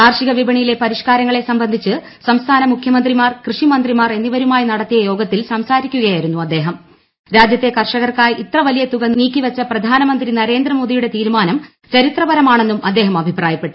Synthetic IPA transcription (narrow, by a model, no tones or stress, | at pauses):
aːrʂiɣɐʋibɐɳijile̞pɐɾiʂkaːɾɐŋːɐɭe̞sɐmbɐnd̪ʱit͡ɕːɨ | sɐmst̪ʰaːnɐmukʰjɐmɐnd̪rimaːrkrɨʂimɐnd̪rimaːre̞nːiʋɐɾumaːjinɐɽɐt̪ːijɐjo̞ːɡɐt̪ːilsɐmsaːɾikʲːuɣɐjaːjiɾunːuɐd̪ːe̞ːɦɐm | ɾaːd͡ʑjɐt̪ːe̞kɐrʂɐɣɐrkaːjʔit̪rɐʋɐlijɐt̪uɣɐniːkʲːiʋɐt͡ɕːɐprɐd̪ʱaːnɐmɐnd̪rinɐɾe̞ːnd̪rɐmo̞ːd̪ijuɽe̞t̪iːɾumaːnɐm | t͡ɕɐɾit̪rɐbɐɾɐmaːɳe̞nːumɐd̪ːe̞ːɦɐmɐbʱipraːjɐpːe̞ʈːu̥